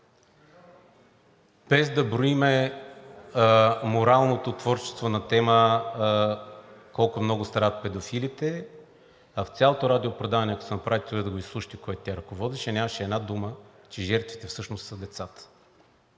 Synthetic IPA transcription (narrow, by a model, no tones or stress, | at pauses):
b̥ɛzd̪ɐbɾoimɛ | moɾalˠnot̪ot̪vɔɾt͡ʃɛ̥st̪vonɐt̪ɛmə | kɔlˠkʊmnɔɡʊst̪ɾavət̪̚pɛd̪ofilit̪ɛ | ɐft̪sʲjalˠot̪oɾad̪iopɾod̪avɐnɛɐko̥sɛnɐpɾʔavit̪uɛd̪ɐɡoislˠuʃi̥t̪ikoɛt̪t̪ʲjaɾɐkovɔd̪iʃɛnʲaməʃɛːd̪nad̪umət͡ʃɛʒɛɾt̪vit̪ɛfsɤʃnost̪sɐd̪ɛt̪sat̪ə̥